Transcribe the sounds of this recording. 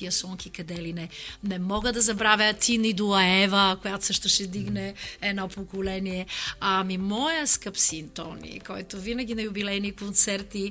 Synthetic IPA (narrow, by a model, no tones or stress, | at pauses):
iəsɔŋkikɐd̪ɛlinɛnɛmɔɡəd̪ɐzɐbɾavjət̪ʰinid̪oɐɛvəkojat̪o̥səʃt̪ʊʃɛd̪iɡnɛɛd̪nɔpokolɛniɛamimɔjəskəpsint̪ɔ̰nḭkɔjt̪ovinɐɡʲinɐjʊbilɛnikont̪sɛɾt̪i